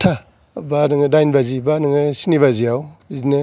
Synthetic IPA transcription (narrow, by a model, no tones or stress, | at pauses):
tʰa | banɯŋdajnbazibanɯŋɯsiniβaziawnɯ